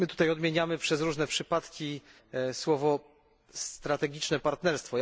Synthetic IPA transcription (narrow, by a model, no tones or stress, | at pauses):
mɘt̪ut̪ajɔd̪mʲjeɲamɘpʂɛzɾuʐnɛpʂɘpat̪kʲi | swɔvɔ | st̪ɾat̪ɛɡʲit͡ʂnɛpaɾt̪nɛɾst̪fɔ